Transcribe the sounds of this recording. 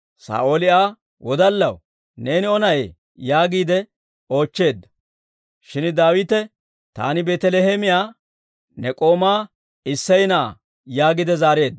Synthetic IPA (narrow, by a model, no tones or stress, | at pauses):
sa̰ːʔo̞ːlɪaː | wɔd̪ɐlːɐw | ne̞ːnɪɔnɐʔḛː | jaːɡiːd̪ɛ | o̞ːt͡ʃːe̞ːd̪ːɐ̥ | ʃɪnd̪aːwɪt̪ɛ | t̪a̰ːnɪbeːt̪ɛlehemɪjaː | nɛkʼo̞ːmaː | ɪsːɐjnɐa̰ | jaːɡɪd̪ɛzaːɾe̞ːd̪ːɐ